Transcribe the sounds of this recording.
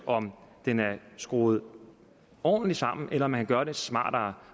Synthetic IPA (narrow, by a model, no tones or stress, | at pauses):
ʔɒ̽md̥enæɐsɡ̥ʁo̝̰ːð̞̩ˠ | ɒ̰ːn̩lisɑ̈m̰n̩ʔelɐɒmænkʰænɡ̥ɶɐɾesmɑ̰̈ːd̥ɑ